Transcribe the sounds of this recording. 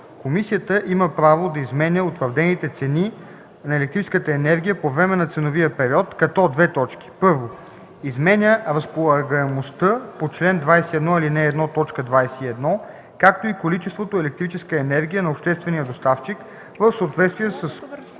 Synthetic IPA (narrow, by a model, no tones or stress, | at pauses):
komisiət̪əʔiməpɾavod̪ɐizmɛnʲəot̪vəɾd̪ɛnit̪ɛt̪sɛni | nɐɛlɛk̚t̪ɾit͡ʃɛ̥skət̪əɛnɛɾɡ̟ʲijəpovɾɛmɛnɐt̪sɛnoviəpɛɾiɔt̪kɐt̪ɔd̪vɛt̪ɔt͡ʃkʲi̥pɤɾvo | izmɛnʲəɾɐspolˠɐɡəɛmost̪əpot͡ʃlɛnd̪vajsɛiɛd̪nɔilinɛːd̪nɔt̪ɔt͡ʃkəd̪vajsɛiɛd̪nɔ | kak̚t̪oikolit͡ʃɛst̪vot̪oɛlɛk̚t̪ɾit͡ʃɛskəɛnɛɾɡʲijənɐopʃt̪ɛst̪vɛnijəd̪ost̪aft͡ʃik | vəfsəot̪vɛt̪st̪viɛsəs